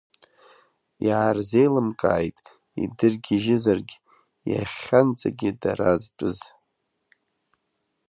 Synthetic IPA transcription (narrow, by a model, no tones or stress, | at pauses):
jaːrze̞jlɨmkʼa̰ːjtʼ | ḭdɨrɡʲɪʒɪzarɡʲ | ja̰χʲant͡sʼaɡʲɪdaɾazt͡pʷʼɨz